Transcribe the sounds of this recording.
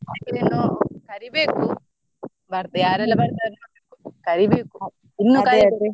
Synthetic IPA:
akinenːokɐɾibeːku | bɐɾt̪ɐjaːɾɛlːɐbɐɾt̪anɐbekukɐɾibeːku | inːuka

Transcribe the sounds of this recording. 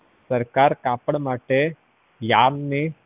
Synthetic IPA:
səɾkaɾkapəɽmaʈe | janni

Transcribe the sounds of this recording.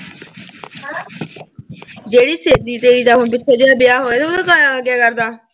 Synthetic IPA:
d͡ʒeːɽiːseːd̪iːt̪eːɽiːd̪aːɦõp̬ɪt͡ʃʰːeːd͡ʒeːaːbɪjaːɦoːeːt̪eʊd̪ẽːkaːjaːləɡjaːkəɾd̪aː

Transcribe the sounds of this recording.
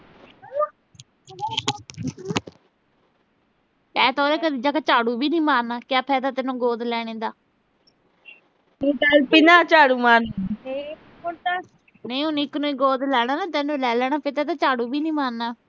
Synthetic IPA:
ɛːt̪ɔːɾeːkəd̪iːd͡ʒaːkaːt͡ʃaːɽuːbiːnĩːmaːnːaːkɪjaːpʰɛːd̪aːt̪ɛːnõːɡoːd̪lɛːɽ̃ẽːd̪aː | iːtalpiːnaːt͡ʃaːɽuːmaːne | oɾt̪a | nəĩːʊnĩːknõːiːɡoːd̪lɛːɽ̃aːnaːt̪ɛːnũlɛːlɛːɽ̃aːpʰeɾt̪ɛːt̪aːt͡ʃaːɽuːbiːnĩːmaːnːaː

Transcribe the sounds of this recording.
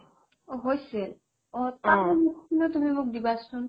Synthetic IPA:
ɦojse | ɔt̪aɔmukʰinɔt̪umimok̚d̪ibasun

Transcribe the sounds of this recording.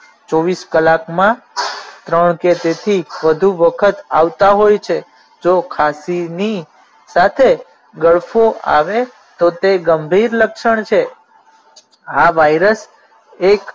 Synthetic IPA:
t͡ʃɔʋiskəlakmã | t̪ɾəɳket̪et̪ʰiʋəd̪ʱuʋəkʰət̪aʋt̪aɦojt͡ʃʰe | d͡ʒokʰasini | sat̪ʰe | ɡəɭfoa̰ʋe | t̪ot̪eɡəmbʱiɾləkʃəɳ̃t͡ʃʰe | aʋajɾəs | ek

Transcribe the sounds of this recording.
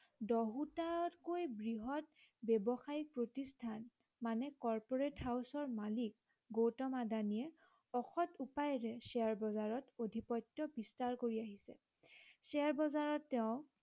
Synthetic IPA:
dɔɦutaɔtkojbɹiɦɔt̚ | bɛbɔxaipɹotistʰan | manɛkɔɹpɔɹetɦawsɔɹmalik̚ | ɡotɔmadaniɛ | ɔxɔtupajɹɛsɛaɹbɔzaɹɔtodʱipɔjtːɔbistaɹkoɹiaɦisɛ̰ | sɛaɹbɔzaɹɔtːɛʊ̃

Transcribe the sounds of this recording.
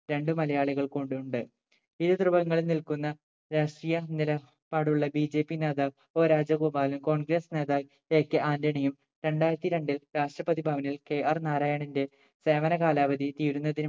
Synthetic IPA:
ɾe̞ɳɖɨmɐlɐjaːɭiɣɐɭkoːɳɖuuɳɖɨ | iðɨt̪rubɐŋːɐɭenilkunːɐ | ɾaʂʈrijɐnilɐ | pːaːɽuɭːɐbid͡ʑe̞ːpːineːðaːk | o̞ːɾaːd͡ʑɐɡuːbaːlumko̞ːɳɡɾeːsne̞ːðaː | e̞ːkːɨʔaːndɐɳijum | ɾe̞ɳɖaːjɾɐt̪ːiɾe̞ɳɖilɾaːʂʈrɐpɐðibʱaːʋɐnilke̞ːʔɐrnaːɾaːjɐɳinde̞ | se̞ːʋɐnɐɣaːlaːbɐðit̪iːɾunːɐðin

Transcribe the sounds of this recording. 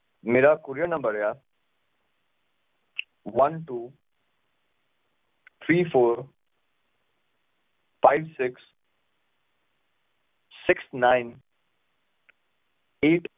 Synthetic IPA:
meːɾakuɾjənə̃mbəɾja | ʋʌnʈuː | t̪ʰɾiːpʰoːɾ | fʰajbsɪks | sɪksnaɪn | eːʈ

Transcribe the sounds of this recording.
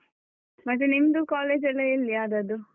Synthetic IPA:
mɐʈ̪ːenimd̪ukaːleːd͡ʒɐlːeilːiaːd̪ɐd̪u

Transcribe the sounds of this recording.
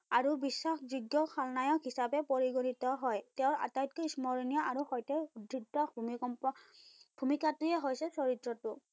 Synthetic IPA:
aɹubisːaxzuɡːɔxʰalnajɔkɦisapɛpɔɹiɡonitɔɦɔjtɛʊ̃ɹa̰tajt̚kɔismɔɹinijɔʔaɹuxɔjtɛdʱik̚ːɔbʱumikɔm | bʱumikatɹiɛɦojsɛsɔɹitɹɔtʊ

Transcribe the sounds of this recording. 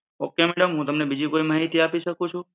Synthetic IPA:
okːemɛɽəmɦũt̪əmnebid͡ʒikoimaɦit̪iapiʃəkũt͡ʃʰũ

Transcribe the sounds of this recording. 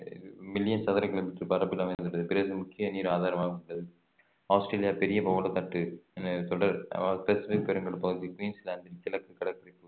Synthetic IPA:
mɪljɐnsɐðɐɾɐkɪloːmɪʈːɐɾpɐɾɐpːɪlɐmɐɪnd̪ɯɾɐðɯpɪɾɐðɯmʊkːɪjɐniːɾaːðaːɾɐmaːɣɐɽːɐðɯ | aːsʈɾeːlɪjaːpɛɾɪjɐbɐʋɐlɐt̪ɐʈːɯɛnɐt̪ɔɽɐɾ̰spɛsɪfɪk̚pɛɾɐŋɡɐɭɯpːɐɣɯðikʋiːnslaːnd̪ɐɾkːɪlɐkːɯkːɐɽɐkːɐɾɐpːɯ

